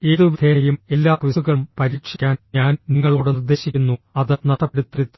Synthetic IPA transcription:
eːðɨʋid̪ʰʱejume̞lːaːkʋisuɣɐɭumpɐɾiːkʂikʲːaːnɲaːnniŋːɐɭuːɽerd̪e̞ːɕikʲːunːuɐðɨnɐʂɐpːeɽut̪rit̪ː

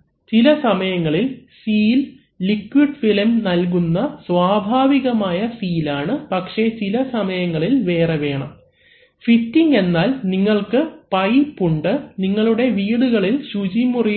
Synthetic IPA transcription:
t͡ɕilɐsɐmɐjɐŋːɐɭilsiːlː | ikːwiɖfilɐmnɐlk̬unːɐsʋaːbʱaːʋiɣɐmaːjɐsiːlaːɳɨpɐkʂe̞t͡ɕilɐsɐmɐjɐŋːɐɭilʋe̞ːreʋe̞ːɳɐm | fitːiŋɡe̞nːaːlniŋːɐɭkɨpɐjpːuɳɖɨniŋːɐɭuɽe̞ʋiːɽuɣɐɭilɕud͡ʑimuri

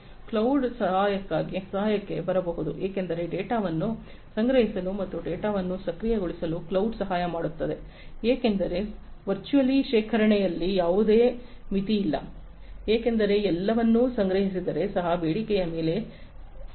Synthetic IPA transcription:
klɐwɖsɐɦaːjɐkːaːɡisɐɦaːjɐkːe̞bɐɾɐbɐɦud̪uʔeːkend̪ɐɾe̞ɖeːʈaːʋɐnːu | sɐŋɡɾɐɦisɐlumɐt̪ːuɖeːʈaːʋɐnːusɐkɾijɐɡoɭisɐluklɐwɖsɐɦaːjɐmaːɽut̪ːɐd̪e̞ | eːkend̪ɐɾe̞ʋɐɾt͡ʃuɐliʃeːkʰɐɾɐɳɛjɐlːijaːʋud̪e̞ːmit̪iːlːɐ̰ | eːke̞nd̪ɐɾe̞ɛlːɐʋɐnːusɐŋɡɾɐɦis̬id̪ɐɾe̞sɐɦɐbeːɽikɛjɐme̞ːle̞

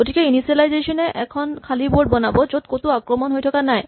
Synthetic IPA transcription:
oʈʰikeiniselajzeʃoneʔɛkʰonkʰaliboɾɖbɔnabod͡ʑod̪̚kot̪oakɾomonɦojt̪ʰokanae

